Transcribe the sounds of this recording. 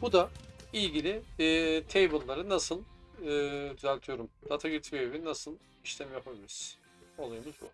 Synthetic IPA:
b̥ud̪aiɟilʲɪt̪ʰejbulˠːaɾɯnasɯlˠɯːd̪yzælʲt̪ʰijo̞ɾumd̪at̪ʰaɡɯɾt̪ʰveβinasɯlˠ | iʃlʰʲɛmijopʰabeɾiz | olˠajumuzbṵ

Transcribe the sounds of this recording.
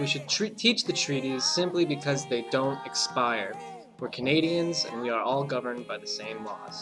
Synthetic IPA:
wiʃɨd̚tʰɹ̥id̚tʰit͡ʃðɨtʰɹ̥iɾiz̥sɪ̃mplibɨkʰʌzðeɪdõʊ̃ntɨkspaɪə˞ | wəɹkʰɨneɪɾiɨ̃nzɨ̰̃nwiə˞ʔɔlˠɡʌvə̃˞nbaɪðɨsẽɪ̃mlɔ̰z̥

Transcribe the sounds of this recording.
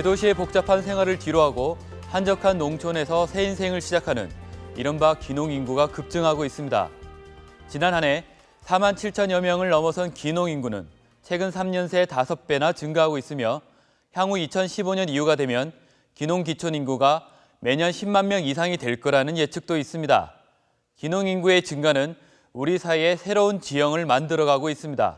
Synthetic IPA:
edoɕʰie̞pok̚t͡ɕ͈apʰans̬ʰe̞ŋɦwaɾɯɭtiɾoɦaɡo | hand͡ʑʌkʰanːoŋt͡ɕʰone̞sʰʌsʰe̞insʰeŋɯɭɕʰid͡ʑakʰanɯ̰niɾʌnbakinoŋinɡuɡakɯp̚t͡ɕ͈ɯŋɦaɡois͈ɯmɲida̰ | t͡ɕinanɦane̞ | sʰamant͡ɕʰiɭt͡ɕʰʌnjʌmjʌŋɯɭːʌmʌsʰʌnkinoŋinɡunɯ̰n | t͡ɕʰe̞ɡɯnsʰamɲʌnsʰe̞tasʰʌp̚p͈e̞nat͡ɕɯŋɡaɦaɡois͈ɯmjʌ | çjaŋuit͡ɕʰʌnɕʰiboɲʌniuɡadwe̞mjʌn | kinoŋkit͡ɕʰoninɡuɡa | me̞ɲʌnɕʰimːanmjʌŋis̬ʰaŋidwe̞ɭk͈ʌɾanɯnje̞t͡ɕʰɯk̚t͈ois͈ɯmɲida̰ | kinoŋinɡue̞t͡ɕɯŋɡanɯn | uɾisʰaie̞sʰe̞ɾount͡ɕijʌŋɯɭmandɯɾʌɡaɡois͈ɯmɲida̰

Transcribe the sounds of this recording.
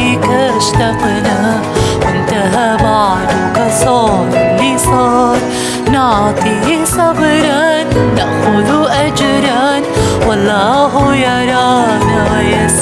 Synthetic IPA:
ka | ʃt̪aqna | wʔɪnt̪aɦabaʕd̪ʊkɑsˤɑːɾlːisˤɑːɾˤ | nɑʕt̪ˤisˤɑbɾˤɑnːaʔxʊlʔad͡ʒɾˤɑnwɑlˤːɑːɦʊjɑɾˤɑːna | ja

